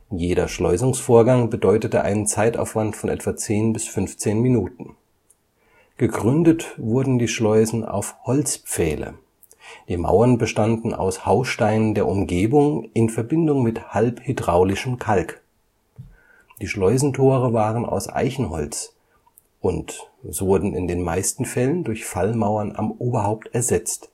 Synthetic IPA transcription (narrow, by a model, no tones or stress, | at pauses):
jeːdɐ̰ʃlɔʏzʊŋsfoːɐɡaŋbədɔʏtətəʔa̰ɪnənt͡saɪta̰ʊfv̥antfɔnʔɛ̰tv̥at͡seːnbɪsfʏnft͡seːnminuːtn̩ | ɡ̥əɡʁʏndətv̥ʊɐdn̩diːʃlɔʏzn̩ʔa̰ʊfhɔlt͡spp͡fɛːlə̰ | d̥iːma̰ʊɐnbəʃtandn̩a̰ʊshaʊʃtaɪnəndeːɐʔʊmɡeːbʊŋɪnfɛɐbɪndʊŋmɪthalphidʁaʊlɪʃəmkʰalk | d̥iːʃlɔʏzn̩tʰoːʁəvaːʁəna̰ʊsʔa̰ɪçn̩hɔ̰lt͡s | ʔʊntzvʊɐdn̩ɪndeːnmaɪstn̩fɛləndʊɐçfalmaʊɐna̰mʔoːbɐhaʊp̚tɛɐzɛt͡st